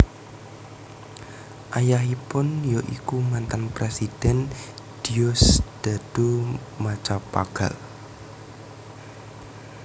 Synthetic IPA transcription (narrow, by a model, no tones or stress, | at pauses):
ʔajaɦipʊnjoʔikumant̪anpɾesid̥ɛnd̥iɔsd̪̥ad̥omat͡ʃapa̰ɡ̥a̰l